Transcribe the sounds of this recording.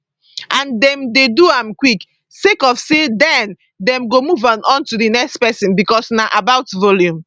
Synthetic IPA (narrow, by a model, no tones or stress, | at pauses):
ʔãndɛ̃mdeduãmkwik | sekɔfsedɛ̃n | dɛ̃mɡomuvãnʔɔ̃ntudinɛkstpɛsĩnbikɔsnaʔabaʊtvɔljũm